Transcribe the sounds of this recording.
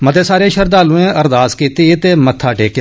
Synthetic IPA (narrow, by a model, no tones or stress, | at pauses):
mət̪eːsaːɾeːʃəɾd̪aːlũːẽːəɾd̪aːskiːt̪it̪eːmət̪ʰːaːʈeːk